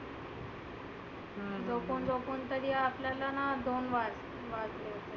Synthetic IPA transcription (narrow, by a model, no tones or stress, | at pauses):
d͡zopond͡zopont̪əɾiapljalanad̪onʋad͡z | ʋad͡zlet̪e